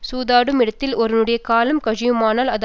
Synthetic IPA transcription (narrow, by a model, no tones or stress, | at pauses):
suːðaːɽɯmɪɽɐt̪ːɪlɔɾɯnɯɽɐjɐkaːlɐmkɐɻɪjɯmaːnaːlɐð